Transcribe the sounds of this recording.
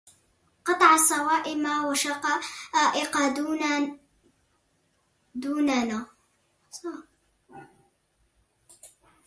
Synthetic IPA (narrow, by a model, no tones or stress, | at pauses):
qɑt̪ˤɑʕɑsˤɑwɑːʔɪmawaʃɑqɑaːʔɪqɑ | d̪uːnana | sˤɑ